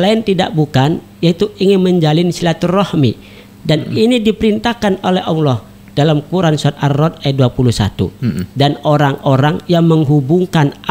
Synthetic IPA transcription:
laɪnt̪ida̰ʔbukan | jait̪uiŋɪnməɲd͡ʒalɪnsilat̪urɔhmi | daninidipəɾint̪akanolɛhawlɔh | d̥alamkuɾansuat̪̚arːɔt̪̚ajat̪̚duapuluhsa̰t̪ṵdanoɾaŋoɾaŋjaŋməŋɦubuŋkan

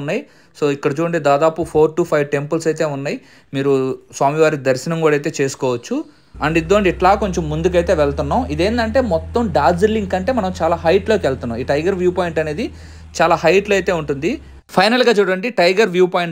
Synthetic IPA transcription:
nːaːji | so̞ːikːɐɽɐt͡ʃuːɽɐɳɖed̪aːd̪aːpupʰoːɾʈuːpʰɐjʋʈe̞mpɐlsɐjt̪e̞ːunːaːji | miːɾuswaːmiʋaːɾid̪ɐɾʃɐnɐmkuːɽɐjt̪̬e̞ːt͡ʃe̞ːsu̥kɔːʋɐt͡ʃːu | ɐɳɖid̪ːoːɳɖiɛʈlaːko̞ɲt͡ʃemːund̪uk̬ɐjt̪e̞ːʋɛɭt̪unːaːmid̪e̞ːnd̪ɐɳʈe̞ːmɔt̪ːɐmɖaːzilːiŋkɐɳʈe̞ːmɐnɐmt͡ʃaːlaːɦɐjʈloːkelt̪unːaːmiːʈɐjɡɐɾʋjuːpoːjiɳʈɐne̞ːd̪i | t͡ʃaːlaːɦɐjʈlɐjt̪e̞ːuɳʈund̪i | pʰɐjnɐlɡaːt͡ʃuːɽɐɳɖiʈɐjɡɐɾʋjuːpaːjɳ

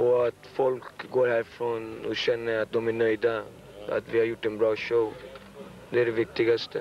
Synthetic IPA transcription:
ɔat̪fɔlkɡoːɾhæːɾfɾonɔɕɛnːəɾat̪̚d̪ɔmænœʏd̪a | a̰t̪ʋɪhaɾjʊʈːɛnbɾɑːʃoʊ | d̪ɛæɖɛʋɪk̚t̪ɪɡast̪ʰə

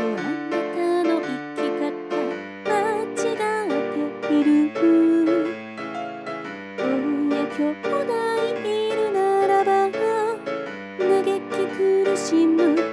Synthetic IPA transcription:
oãnt̪anoʔikʲːikat̪a | mat͡ɕiɡat̪ekiɾʲihɯ | ojakʰʲokod̪aiiɾɯnaɾaɾaɡa | naɡekʲːikɯɾɯɕimɯ

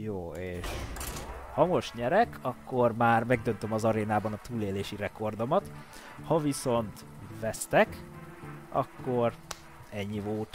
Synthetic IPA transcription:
joːeːʃ | hɒmo̞ʃɲɛɾɛkʰɒkːo̞rmaːrmɛɡ̚d̪ø̞nt̪ø̞mɒzɒɾeːnaːbɒnɒt̪uːleːleːʃirɛko̞rd̪o̞mɒt̪ | hɒviso̞nt̪ | vɛst̪ɛk | ɒ̰kːo̞r | ɛɲːivoːt̪

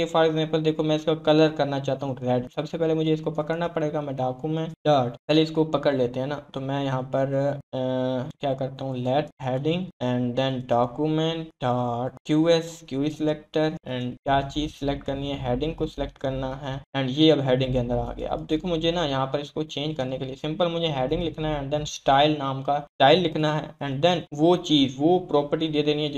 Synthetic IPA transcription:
efaːɾɡzɛ̃ːmpəld̪eːkʰomɛ̃ɪskakɐləɾkɐɾnat͡ʃaːɦt̪aɦũɾɛːɖsɐbsepɛɦlemʊd͡ʒʱeɪskopɐkəɾnapɐɽeːɡamɛ̃ɖaːkjumɛ̃ʈɖaːʈpɛɦleɪskopɐkəɽleːt̪eɦɛ̃nat̪omɛ̃jɐɦãpɐɾ | kjaːkɐɾt̪aɦũlɛːʈɦɛːɖɪ̃ŋɡɛ̃ːɳd̪ɛ̃nɖaːkjumɛ̃ɳʈɖaːʈkjuːɛskjuːɾisɪleːk̚ʈəɾɛ̃ːɳɖkjaːt͡ʃiːzselek̚ʈkɐɾniɦɛɦɛːɖɪ̃ŋɡ̚kosɪlek̚ʈkɐɾnaɦɛːɛ̃ːɳɖjeɐbɦɛːɖɪ̃ŋɡkeɐ̃nd̪əɾa̰ːɡə̰j̰j̰a̰ɐ̰b̚d̪eːkʰomʊd͡ʒʱenajɐɦãpɐɾɪskot͡ʃẽːɲd͡ʒkɐɾnekeliesɪ̃mpəlmʊd͡ʒʱeɦɛːɖɪ̃ŋɡlɪkʰnaɦɛ̃ːɳd̪ɛ̃nsʈaːɪlnaːmkasʈaːɪlːɪkʰnaɦɛ̰ːɛ̃ːɳɖd̪ɛnʋot͡ʃiːzʋopɾɔːpəɾʈid̪eːd̪eːniɦɛd͡ʒ

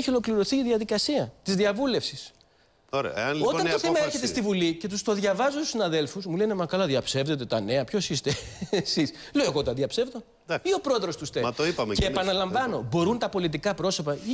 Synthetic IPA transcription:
eçio̞lo̞kliɾo̞θiːðiɐðikɐsiɐt̪izðiɐvule̞fsis | oɾeḛɐno̞t̪ɐnt̪oθemɐeɾçet̪e̞st̪ivulice̞t̪ust̪o̞ðʝɐvɐzot̪u̥sinɐðe̞lfusmule̞ne̞mɐkɐlɐðjɐpse̞vðe̞t̪e̞t̪ɐne̞ɐpço̞sist̪esis | leoeɣo̞t̪ɐðʝɐpse̞vðo̞ | io̞pɾo̞ðɾo̞st̪ust̪eɐt̪oipɐmeceːpɐnɐlɐɱvɐno̞bo̞ɾunt̪ɐpo̞lit̪̬ikɐpɾo̞so̞pɐi

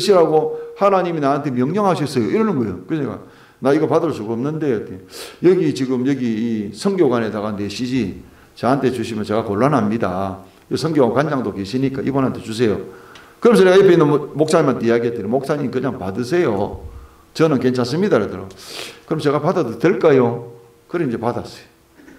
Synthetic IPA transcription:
eɕʰiɾaɡohanaɲiminaɦantʰemjʌŋɲʌŋɦaɕ̬ʰʌs͈ʌjoʔiɾʌnɯnɡʌejokɯeɡa̰ | naiɡʌpadɯɭsuɡoʌmnɯnde̞t͈ejʌɡit͡ɕiɡɯmjʌɡiːsʰʌŋɡjoɡwanetaɣane̞ɕʰid͡ʑi | t͡ɕaɦantʰet͡ɕuɕʰimjʌnt͡ɕe̞ɡakoɭːanɦamɲida̰ | ʌsʰʌŋɡjoankwand͡ʑaŋdoke̞ɕʰiɲik͈aʔḭbonɦantʰe̞t͡ɕus̬ʰe̞jo | kɯɾʌms̬ʰeɡajepʰeinːmok̚s͈ʰaɲimɦant̪͈ejaɡiɦet͈eɾimok̚s͈ʰaɲimkɯɲaŋpadɯsʰe̞jo | t͡ɕʌnɯnke̞nt͡ɕʰans̬͈ɯmɲidaɾad̪ɯɾokɯɾʌmt͡ɕe̞ɣapadaddweɭk͈ajo | kɯɾeind͡ʑe̞padas͈ʌ̥jo̥

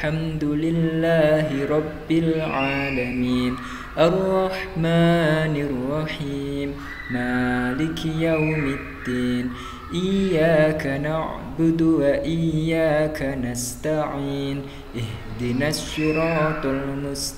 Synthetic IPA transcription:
ħamd̪ʊlɪlːaːɦɪɾˤɑbːɪlʕaːlamiːn | ʔarˤːɑħmaːnɪrːɑħiːmː | aːlɪkjawmɪd̪ːiːn | ʔɪjaːkanaʕ | bʊd̪waʔɪjːaːkanast̪aʕiːn | ʔɪhd̪ɪnasːuɾɑːt̪almʊst̪

